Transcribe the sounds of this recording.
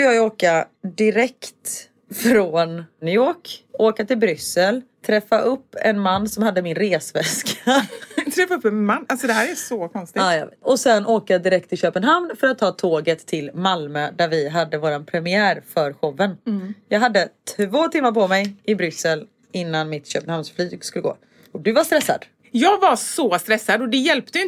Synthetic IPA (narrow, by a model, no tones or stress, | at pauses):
jɑːɡoːkad̪ɪɾɛkt̪ | fɾɔnnʏjoːkoːkat̪ɪlbɾʏsəlt̪ʰɾɛfːaʔɵpːɛ̰nmanːsɔmhad̪ːəmɪnɾeːsvɛskʰaat̪ʰɾɛfaɵpːɛnmanːalsɔd̪ɛɦæːɾæsɔkʰɔnst̪ɪaːjɑ̰vɔsɛnːʔoːkaad̪ɪɾɛk̚t̪ʰːɪɕøːpənɦamnfœɾat̪ʰːɑːt̪ʰoːɡət̪ʰːɪlmalmød̪æɾvɪɦad̪ːəvoːɾanpʰɾɛmɪæːɾfœɾɧɔvːənjɑːɡɦad̪ːət̪ʰvoːt̪ʰɪmːaɾpʰɔmɛjɪbɾʏsəl | ɪnːanmɪt̪ɕøːpənhamnsflyːɡskɵlːəɡo̰ː | ɔd̪ɵvast̪ɾɛsːa̰d̪̥ | jɑːɡvasɔst̪ɾɛsːad̪ɔd̪ɛjɛlp̚t̪əɪ